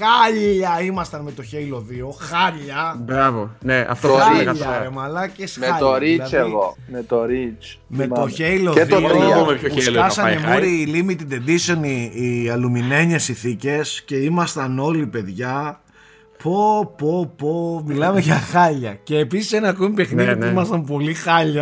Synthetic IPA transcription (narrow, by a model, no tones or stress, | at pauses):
xɐʎɐimɐst̪ɐnme̞t̪o̞çeilo̞ðio̞xɐɾʎɐbɾɐvoneɐ̰ft̪okɐɐemɐlɐcesmeɐoɾiɐeɣomet̪oɾit͡ʃ | me̞t̪oçejloeðt̪oomepçoelɐsɐnemoɾiːlimit̪id̪e̞d̪isoniːɐlumine̞ɲesinθice̞sce̞imɐst̪ɐno̞lipe̞ðʝɐ | pʰopopomilɐmeʝɐxɐʎɐce̞ːpisi̥senɐkomipe̞xniðiimɐst̪ɐmp̬o̞lixɐʎɐ